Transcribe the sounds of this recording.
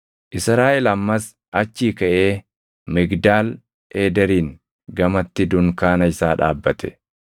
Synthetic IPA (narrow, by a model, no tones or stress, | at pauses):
ʔɪsɾaːʔɛlɐmːɐs | ʔɐt͡ʃːiːkɐʔeː | mɪɡd̪aːl | eːd̪ɛɾiːŋ | ɡɐmɐt̪ːɪd̪ʊŋkaːnɐɪsaːᶑa̰ːbːɐt̪ʰɛ̥